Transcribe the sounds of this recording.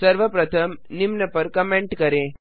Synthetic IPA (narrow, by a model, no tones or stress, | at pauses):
sɐɾʋɐpɾɐt̪ʰɐmnimnɐpɐɾkɐmeɳʈkɐɾẽː